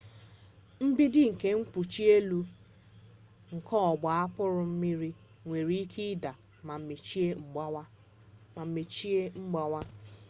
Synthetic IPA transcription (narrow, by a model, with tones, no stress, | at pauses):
m̩˦bi˦dɪ˦ŋ̩˨ke˦ŋ̩˦k͡pu˨t͡ʃi˦e˦lu˦ | ŋ̩˨kʰɔ˦ɔ˨ɡ͡ba˨a˦pʊ˦ɾʊ˨m̩˦mi˦ɾi˦ | ŋʷe˨ɾi˦i˦kʰi˦da˨ | ma˨me˨t͡ʃi˦e˦ŋ͡m | m̩˨me˨t͡ʃi˦e˦ŋ͡m̩˦ɡ͡ba˨wa˦